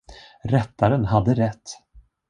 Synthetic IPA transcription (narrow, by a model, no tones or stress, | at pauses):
ɾɛt̪ʰːaɾənɦad̪ːəɾɛt̪ː